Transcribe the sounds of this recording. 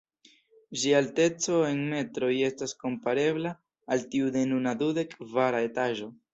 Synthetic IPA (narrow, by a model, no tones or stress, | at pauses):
d͡ʒialte̞t͡so̞e̞nme̞tɾo̞je̞stasko̞mpaɾe̞blaː | ltiude̞nunadude̞kvaɾae̞taʒo̞